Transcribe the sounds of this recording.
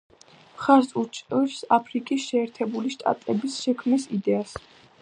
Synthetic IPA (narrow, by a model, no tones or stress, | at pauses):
χaɾsut͡ʃʼɾsapʰɾikʼisʃɛːɾt̪ʰɛbuliʃt̪ʼa̰t̪ʼɛbisʃɛkʰmisid̪ɛas